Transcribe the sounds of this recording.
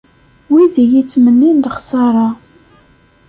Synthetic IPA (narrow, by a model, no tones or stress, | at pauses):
wiðijit͡sːmənːind̪əχsɑɾˤɑ